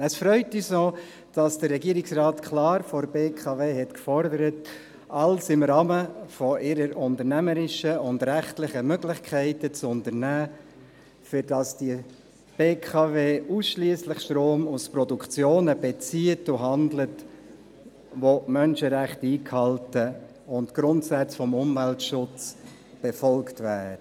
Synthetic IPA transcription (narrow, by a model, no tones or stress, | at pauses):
əsfɾœʏtyːsnɔ | d̥ɑsd̥əɾɛɡiəɾɪksrɑːtkʰlɑːɾfɔɾbeːkʰɑveːɦɛtkfɔɾdəɾət | ʔɑlsɪmɾɑːməfɔʔɪɾəɾʊntəɾnæməɾɪʃəʊndɾæχtlɪχəmøɡlɪχkʰɛɪtət͡sʊntəɾnæː | fʏɾdɑsd̥i | b̥eːkʰɑːveːusʃliəslɪχʃtɾoːmuspɾɔdukʰt͡sjoːnəb̥ɛt͡siːətʊɦɑndlət | ʋomœnʃəɾæχtiːkhɑltə | ʊntɡ̥ɾʊntsæt͡sfɔmʊmvæltʃʊt͡s | b̥ɛfɔlktvæːə